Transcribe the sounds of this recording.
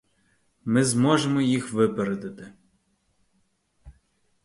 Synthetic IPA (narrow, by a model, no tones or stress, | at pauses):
mɪzmɔʒemɔjixʋɪpeɾed̪ɪt̪ɪ